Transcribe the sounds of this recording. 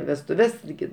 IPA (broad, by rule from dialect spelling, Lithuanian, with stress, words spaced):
ʋʲɛstʊˈʋʲɛs tʲɪˈɡʲɪ